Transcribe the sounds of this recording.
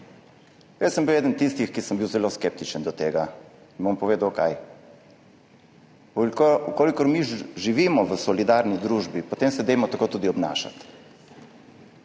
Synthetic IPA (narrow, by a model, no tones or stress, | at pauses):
jɛsəmbiwjɛːd̪ənt̪ist̪ixkisəmbiwzɛloːskeːp̚t̪it͡ʃənd̪ɔt̪eːɡainbompɔʋeːd̪awkaj | ukoːlikɔɾmiʒiʋiːmɔʋəsɔlid̪aɾnid̪ɾuːʒbipot̪emsɛd̪ejmɔt̪akot̪uːd̪iɔbna̰ːʃa̰t̪